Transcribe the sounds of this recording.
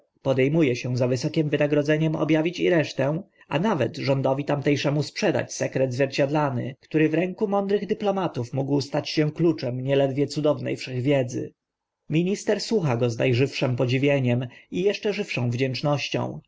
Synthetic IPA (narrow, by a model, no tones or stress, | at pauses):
pɔd̪ɛjmujɛɕɛ̃zavɘsɔkʲɛmvɘnaɡɾɔd̪zɛɲɛmɔ̰bʲjavʲit͡ɕiɾɛʂt̪ɛw̃ | anavɛt̪ʐɔnd̪ɔvʲit̪amt̪ɛjʂɛmuspʂɛd̪a̰t͡ɕsɛkɾɛd̪zvʲjɛɾt͡ɕad̪lanɘ̰kt̪uɾɘvɾɛŋkumɔnd̪ɾɘɣd̪ɘplɔmat̪ufmuɡwst̪at͡ɕɕɛ̃klut͡ʂɛmɲɛlɛd̪vʲjɛt̪sud̪ɔvnɛ̰jfʂɛɣvʲjɛd̪zɘ̰ | mʲiɲist̪ɛɾswuxaɡɔznajʐɘfʂɛmpɔd͡ʑivʲjeɲɛmijɛʂt͡ʂɛʐɘfʂɔ̃w̃vd͡ʑɛnt͡ʂnɔɕt͡ɕɔ̰̃w̃